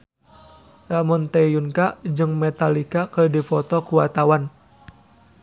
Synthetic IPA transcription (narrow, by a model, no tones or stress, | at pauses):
amɔnt̪ejunkaʔd͡ʒɨŋmɛt̪alikakədifɔt̪ɔkuat̪awan